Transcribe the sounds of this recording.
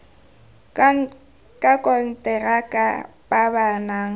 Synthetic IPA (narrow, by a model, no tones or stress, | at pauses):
kʼakʼɔn̩tʼɛrakʼa | bʼabanaːŋ̩